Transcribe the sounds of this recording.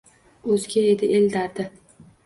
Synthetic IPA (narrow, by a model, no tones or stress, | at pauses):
ɵzɡʲaed̪ɪʔeld̪aɾd̪ɪ